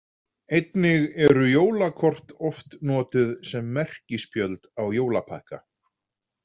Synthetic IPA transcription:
ejt̪nɪɣɛɾʏjoːwlakʰɔr̥t̪ɔft̪nɔːt̪ʏðsɛmːɛr̥cɪspjœlt̪awjoːwlapʰa̰hka̰

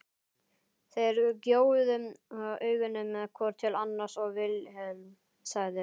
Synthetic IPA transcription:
θejɾcjoːwʏðʏmœːɥɣʏnːʏmːɛðkʰɔːɾt̪ʰɪlanːaɾ̥sɔɣvɪlhœlm | saɣðɪ

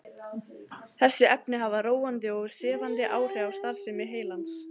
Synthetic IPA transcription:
θɛsːɪʔɛp̚nɪɦavaroːwant̪ɪɔɣsɛːvant̪ɪʔaːwr̥ɛawst̪aɾ̥sɪmɪðɦeːjlans

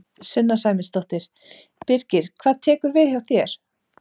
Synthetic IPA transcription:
sʏnːasaːjmɪnst̪ɔht̪ɪɾ̥ | pɪɾcɪɾ̥kʰvaːðt̪ʰɛːkʏɾvɪðçawθjɛɾ̥

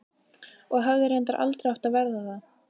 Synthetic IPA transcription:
ɔɣɦœɣðɪɾejnt̪aɾʔa̰lt̪ɾɪaft̪aðvɛɾðaθa

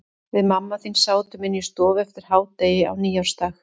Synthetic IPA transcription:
vɪðmamːaθinsaːwt̪ʏmɪnːist̪ɔːvɛft̪ɪɾ̥haːwt̪eːjɪa̰wniːawɾ̥st̪ax

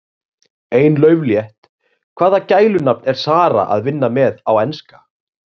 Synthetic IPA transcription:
eːjnlœːɥvljɛht̪ | kʰv̥aːðacaːjlʏnap̚nɛɾ̥saːɾa̰ʔa̰ðvɪnːamɛðawɛnska

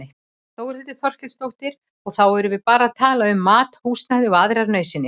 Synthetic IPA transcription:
eht̪ | θowɾ̥ɪlt̪ɪθʰɔr̥cɪlst̪owht̪ɪɾ | ɔɣθawɛɾʏvɪðpaːɾaːðt̪ʰaːlaʏmːaːt̪huːst̪naðɪɔaðɾaɾnœɥsɪnɪ

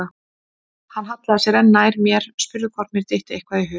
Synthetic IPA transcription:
a | hanːɦat̪laðasjɛɾɛnːaːjɾmjɛɾ̥spʏɾðʏkʰɔɾt̪mɪɾ̥t̪ejht̪ɪejhkvaðiɦʏ

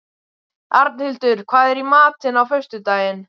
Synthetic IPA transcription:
aɾt̪nhɪlt̪ʏɾ̥kʰvaːðɛɾimaːt̪ɪnawfœst̪ʏt̪aːjɪn

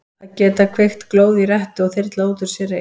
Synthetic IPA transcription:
acɛːt̪akʰvejxt̪kloːwðɪrɛht̪ʏɔɣθɪrɾt̪lauːt̪ʏɾ̥sɛɾɪ

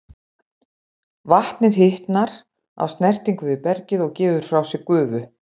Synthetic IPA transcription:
vaht̪nɪð̥ɦɪht̪naɾ̥ | a̰wst̪nɛr̥t̪iŋkvʏvɪpɛɾcɪðɔɣcɛːvʏɾ̥fɾawsɪkʏːvʏ

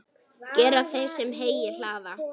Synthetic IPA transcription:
cɛːɾaθej̥sɛmɦeːjɪl̥aːða

